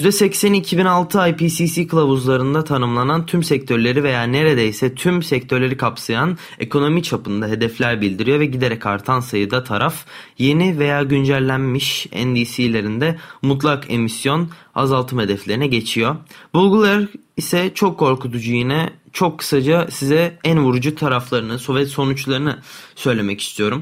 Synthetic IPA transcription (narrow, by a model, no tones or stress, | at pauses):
jyzd̪ɛsɛcsænicʰibinalˠt̪ʰɯajpiːsiːsiːkʰɯlˠavuzlˠaɾɯnd̪at̪ʰanɯmlˠanant̪ʰymsɛc̚t̪ʰø̞ɾlʲe̞ɾive̞jaːne̞ɾe̞d̪ejsɛt̪ʰymsɛct̪ʰø̞ɾlʲe̞ɾikʰapsajan | e̞kʰo̞no̞mit͡ʃʰapɯnd̪aɦe̞d̪ɛflʲæɾbilʲd̪iɾijo̞vɛɟid̪e̞ɾɛca̰ɾt̪ʰansajɯd̪at̪ʰaɾʔafje̞nive̞jaːɟynd͡ʒællʲːænmiʃɛ̰nd̪iːsiːlʲe̞ɾind̪ɛmut̪̬lˠakʰe̞̰misjo̞n | a̰zalˠt̪ʰɯmhe̞d̪ɛflʲeɾinɛɟe̞t͡ʃʰijo̞bulˠɡulˠaɾ | isɛt͡ʃʰo̞kʰːo̞ɾkut̪ʰud͡ʒujinɛt͡ʃʰo̞kʰːɯ̥sad͡ʒasizɛænvuɾd͡ʒut̪ʰaɾaflˠaɾɯnɯso̞vɛt̪so̞nut͡ʃlˠaɾɯnɯsø̞jlʲe̞mɛci̥st̪ʰijo̞ɾum